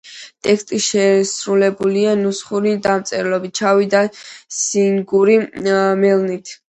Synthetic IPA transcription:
t̪ʼɛkst̪ʼiʃɛsɾulɛbulianusχuɾid̪amt̪sʼɛɾlɔbit̪̚t͡ʃʰavid̪asiŋɡuɾimɛlˠnit̪ʰ

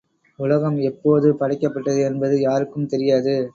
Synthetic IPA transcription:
ʊlɐɣɐmɛpːoːðɯpɐɽɪkːɐpːɐʈːɐðɯɛnbɐðɯjaːɾɯkːɯmt̪ɛɾɪjaːðɯ

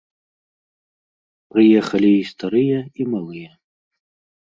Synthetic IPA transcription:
pɾɨjɛxɐlʲiːst̪aɾɨjɛimalˠɨjɐ

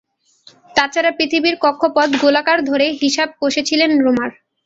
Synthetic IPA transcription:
t̪at͡ɕʰaɾapɾit̪ʰibiɾkɔkʰːopɔd̪ɡolakaɾd̪ʱoɾeɦiʃab̚koʃet͡ɕʰilenɾomaɾ

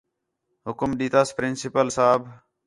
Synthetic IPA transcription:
ɦʊkʊmɗ̪iːt̪aːspɾɪnsɪpəlsaːbʱ

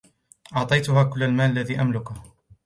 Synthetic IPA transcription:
ʔɑʕt̪ˤɑjt̪ʊhaːkʊlːalmaːʔalːaðiːʔamlʊkʊ

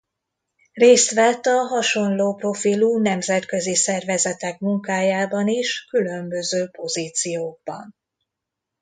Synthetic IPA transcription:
reːst̪ʋɛt̪ːɒɦɒʃo̞nloːpro̞filunɛmzɛt̪kø̞zisɛrvɛzɛt̪ɛkmuŋkaːjaːbɒniʃkylø̞mbø̞zøːpo̞ziːt̪sijoːɡ̚bɒ̰n

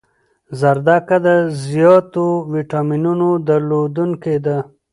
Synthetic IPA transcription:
zaɾd̪akad̪əzjɑːt̪owiʈaminunod̪əɾlod̪unked̪a

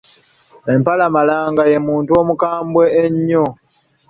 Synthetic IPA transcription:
empalamalaːŋɡaje̞muːntuomukaːmbwe̞ːɲːo

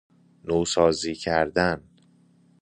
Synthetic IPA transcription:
noːsɒːziːcʰæɾd̪æn

